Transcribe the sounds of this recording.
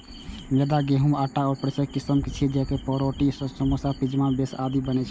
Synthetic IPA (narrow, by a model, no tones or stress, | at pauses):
med̪aɡeɦumaʈaɔːɾpɾəsəkːisəmkit͡ʃʰid͡ʒɛkepəɾoʈissəmosapid͡ʒmabesad̪ibənɛt͡ʃʰ